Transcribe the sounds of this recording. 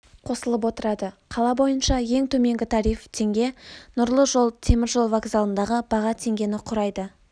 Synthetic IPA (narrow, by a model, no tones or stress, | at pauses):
qʰo̞səlˠəp̬wo̞t̪əɾɑd̪əqʰɑlˠɑbo̞jənʃɑje̞ŋt̪ʰɵme̞ŋɡʲɪt̪ʰɑɾijft̪ʰe̞ŋɡʲe̞nʊɾlˠəʒo̞lˠt̪ʰe̞mɪɾʒo̞lˠvaɡzɑlˠənd̪ɑʁəb̥ɑʁɑt̪ʰe̞ŋɡʲe̞nɪqʰʊɾɑjd̪ə